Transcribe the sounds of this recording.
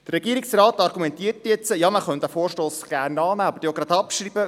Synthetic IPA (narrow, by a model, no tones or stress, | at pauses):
dərɾːɛɡiːəɾiksrɑːt̪ɑɾɡumɛnt̪iətjɛt͡səjɑːməχœnt̪æfoːɾʃtoːsɡ̥æːrnɑːnæɑbəɾdjoɡɾɑd̪ɑpʃɾiːb̥ə